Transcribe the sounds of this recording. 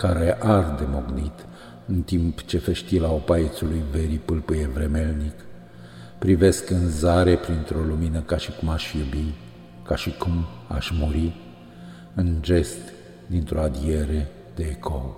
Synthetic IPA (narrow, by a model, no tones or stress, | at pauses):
kaɾe̞ʔard̪e̞moɡnit̪ | ɨnt̪impt͡ʃe̞feʃt̪ilaopajet̪sulujve̞ɾipɨlpɨjevɾe̞me̞lnik | pɾive̞skɨnzaɾe̞pɾint̪ɾo̞luminəkaʃikumaʃjubi | kaʃikuma̰ʃʲmuɾi | ɨnʒe̞st̪ | d̪int̪ɾʔo̞ad̪ie̞ɾe̞ | d̪e̞ːkʰo̰l